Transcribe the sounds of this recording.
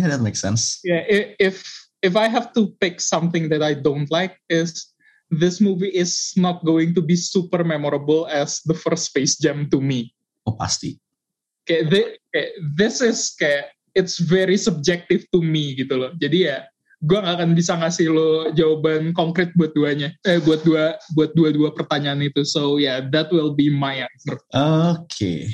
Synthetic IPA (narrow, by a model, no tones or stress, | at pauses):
jadɛt̪̚meksɛ̰̃nsjaʔɪɪf | ɪfajɦɛft̪upɪksʌmθɪŋðɛt̪ajdont̪laɪk̚ɪs | ðɪsmuviʔɪsnɔt̪̚ɡoɪŋt̪ubisupərmɛmoɾəbəlɛsdəfərstfeɪsd͡ʒɛmt̪umi | opa̰st̪ḭ | kajaðɪkajaðɪsɪskajaʔ | ɪtsvɛɾisəb̚d͡ʒɛk̚t̪ɪft̪umiɡit̪ulɔhd͡ʒadija | ɡuaŋɡakanbisaŋasɪhlod͡ʒawabankoŋkɾɪt̪̚buat̪̚duaɲaəbuat̪̚duabuat̪̚duaduapərt̪aɲaːnit̪usojaðɛt̪̚wɪlˠbimajanfərʔokʰḛ